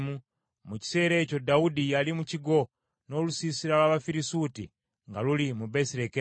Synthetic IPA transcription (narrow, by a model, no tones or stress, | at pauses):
mu | mut͡ʃi̥seɾet͡ʃodaudijalimut͡ʃiɡo | nolusisiɾalwaβafiɾisutḭ | ŋɡalulimubesiɾeke